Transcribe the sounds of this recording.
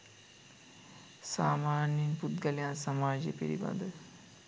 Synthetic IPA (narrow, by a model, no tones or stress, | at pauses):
saːmaːnjinput̪ɡəlijansɐmaːd͡ʒepiɾḭba̰nd̪ə